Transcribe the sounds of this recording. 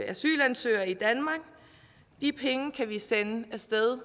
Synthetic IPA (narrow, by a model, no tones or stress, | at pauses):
æsy̰ːlænsø̰ːɐid̥ænmɑ̈ɡ̥ | d̥ipʰeŋəkʰæʋisenəæsd̥eð̞ˠ